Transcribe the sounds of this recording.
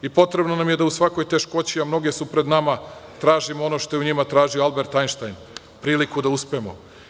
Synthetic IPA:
ipo̞t̪ɾe̞bnonamje̞d̪ausʋako̞jt̪e̞ʃko̞t͡ɕiamno̞ɡe̞supɾed̪namat̪ɾaːʒimoo̞no̞ʃt̪oeuɲimat̪ɾaːʒioalˠbe̞ɾt̪ajnʃt̪ajn | pɾiːlikud̪auspemo̞̰

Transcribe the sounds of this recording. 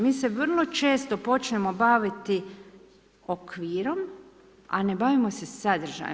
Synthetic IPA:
miːseʋər̩lˠo̞t͡ʃe̞ːst̪o̞po̞t͡ʃɲemo̞baʋit̪i | okʋiːɾo̞m | a̰nebaʋimo̞se̞sad̪r̩ʒa̰j̰

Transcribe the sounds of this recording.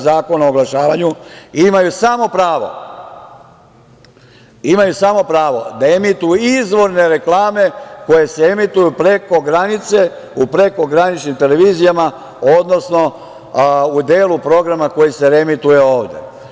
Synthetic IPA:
zaːko̞naoɡlˠaʃaːʋaɲuimajusamo̞pɾaːʋo̞̰ | imajusamo̞pɾaːʋo̞̰d̪ae̞mit̪ujuizʋo̞ɾne̞ɾe̞klˠaːme̞ko̞je̞seemit̪ujupɾe̞ko̞ɡɾanit̪se̞ | upɾe̞ko̞ɡɾanit͡ʃnimt̪e̞le̞ʋiːzijama | o̞d̪no̞sno̞ | ud̪e̞ːlupɾo̞ɡɾamako̞jise̞ɾe̞mit̪uje̞o̞ːʋd̪e̞̰

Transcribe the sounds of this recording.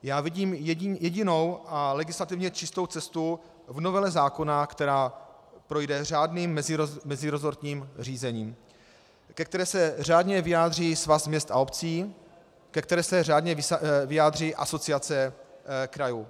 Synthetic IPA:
jaːvɪɟiːmjɛɟɪno̞wʔalɛɡɪslat̪ɪvɲɛt͡ʃɪst̪owt͡sɛst̪u | vno̞vɛlɛzaːko̞nakt̪ɛɾaː | pɾo̞jdɛr̝aːdniːmːɛzɪmɛzɪɾozoɾt̪ɲiːmr̝iːzɛɲiːm | kɛk̚t̪ɛɾɛːsɛr̝aːdɲɛvɪjaːd̪r̝iːsvasmɲɛst̪ʔa̰opt͡siː | kɛk̚t̪ɛɾɛːsɛraːdɲɛvɪjaːd̪r̝iːʔaso̞t͡sɪat͡sɛkɾajuː

